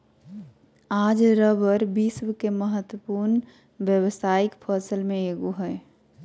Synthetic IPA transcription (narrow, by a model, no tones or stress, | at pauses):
aːd͡ʒɾəbəɾbiswkeməɦət̪wəpuɾn | bjəwəsaːɪkpʰəɾsəlmẽeːɡoɦɛɪ